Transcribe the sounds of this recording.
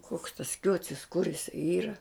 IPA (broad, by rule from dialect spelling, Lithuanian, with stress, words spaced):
kuɔks tɐs ˈkʲuɔt͡sʲɪs kʊr ɪˈsɐɪ ˈiːrɐ